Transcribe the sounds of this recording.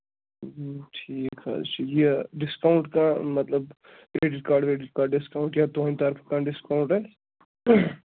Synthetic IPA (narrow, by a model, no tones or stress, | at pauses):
ʈʰiːkɦa̰t͡ʃʰijeɖɪskaʊ̃ɳʈkamɐt̪ləb | kɾeːɖɪʈ̚kaːɾɖkɾeːɖɪʈ̚kaːɖɖɪskaːʊ̃ɳʈjat̪oːnt̪ɐɾfʰkãɖɪskaʊ̃ɳʈɦɛː